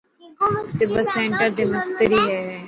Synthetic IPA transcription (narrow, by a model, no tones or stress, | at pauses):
t̪ebəsẽːɳʈəɾd̪iːmɪst̪əɾiːɦɛː